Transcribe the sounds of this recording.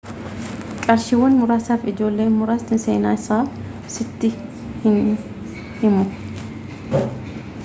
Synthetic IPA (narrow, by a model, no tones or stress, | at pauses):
kʼɐɾʃɪwːɐnmʊɾaːsaːfɪd͡ʒo̞ːlːeːnmʊɾaːst̪ɪnsḛːnaːɪsaː | sɪt̪ːɪ | hɪn | hɪmʊ